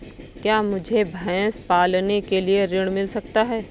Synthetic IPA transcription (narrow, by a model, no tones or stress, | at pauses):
kjaːmʊd͡ʒʱebʱãspaːlnekelieɾɪɽ̃mɪlsɐkt̪aɦɛː